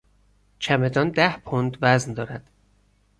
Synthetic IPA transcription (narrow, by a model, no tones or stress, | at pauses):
t͡ʃʰæme̞d̪ɒːnd̪æhpʰond̪væznd̪ɒːɾæd̪̥